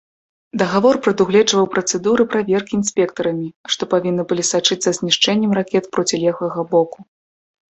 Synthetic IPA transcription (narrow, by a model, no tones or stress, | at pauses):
d̪ɐɣavɔrpɾɐd̪uɣlʲɛd͡ʐvɐwpɾɐt̪sɛd̪uɾɨpɾavʲɛrkʲiːnsʲpʲɛkt̪ɐɾɐmʲiʂt̪ɔpavʲinːɨbɨlʲisat͡ʂɨt̪sːɐzʲnʲiʂt͡ʂɛnʲːɛmrakʲɛt̪pɾɔt͡sʲilʲɛɣɐɣɐbɔku